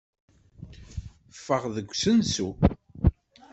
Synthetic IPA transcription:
fːəʁðəɡʷːsənsu

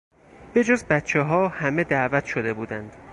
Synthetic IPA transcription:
b̥e̞d͡ʒozbæt̪t͡ʃʰeɦɒːhæme̞d̪æːvæt̪ʃod̪e̞buːd̪ænd̪̥

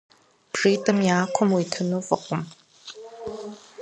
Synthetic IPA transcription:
bʐiːtʼɐmjaːkʷʰɔmwiːtʰɨnoːfʼɨqʷʊm

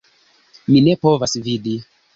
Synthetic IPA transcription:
mine̞po̞vasvidi

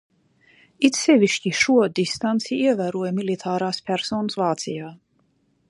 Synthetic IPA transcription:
it̪sɛvʲiʃciʃuɔd̪ist̪ant̪siiɛvæːɾuɔjmilit̪ʰaːɾaːspʲæɾsɔːnəsvaːt̪sijaː

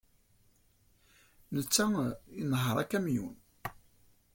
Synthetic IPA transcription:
nət͡sːæinɦəɾˤækːæmjṵn

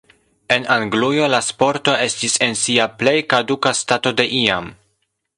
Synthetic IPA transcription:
e̞naŋɡlujo̞laspo̞ɾto̞e̞stise̞nsiaple̞jkadukastato̞de̞ʔiam

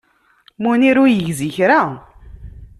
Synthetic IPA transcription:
muniɾujəʝziçɾa

